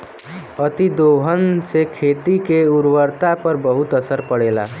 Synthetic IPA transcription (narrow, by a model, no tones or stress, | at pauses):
ət̪id̪oɦənsekʰet̪ikeuɾwəɾt̪apəɾbəɦut̪əsəɾpəɽela̰